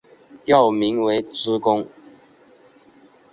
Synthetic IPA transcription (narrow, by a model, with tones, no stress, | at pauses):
jɑ˥˨ʊmi˨˦ŋwe˧˦ɪt͡sʰɹ̩˦kʊ˦ŋ